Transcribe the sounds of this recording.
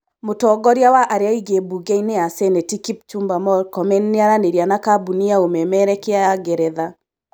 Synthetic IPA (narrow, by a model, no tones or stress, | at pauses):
motɔːɡɔɾjawaʔaɾeaiɡebuɡɛineasɛnɛtikip̚t͡ʃumbamɔɾkɔmɛnːeaɾaneɾjanakabuniaomɛmɛɾɛkeaɡɛɾɛða